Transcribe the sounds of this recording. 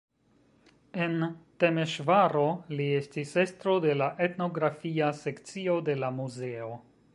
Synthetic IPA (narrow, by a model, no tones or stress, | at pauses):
e̞ntemeʃvaɾo̞lie̞stise̞stɾo̞de̞laʔe̞tno̞ɡɾafiase̞kt͡sio̞de̞lamuze̞o̞